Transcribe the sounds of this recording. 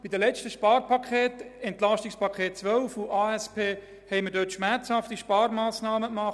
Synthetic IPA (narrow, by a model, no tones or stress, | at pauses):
b̥idəlɛt͡stəʃpɑːɾpɑkʰχeːtɛntlɑstɪkspʰɑkχeːt̚t͡sʋœlfuʔaːɛspʰeː | hɛɪmədøːtʃmæɾt͡shɑftiʃpɑːɾmaːsnɑːməkmɑχ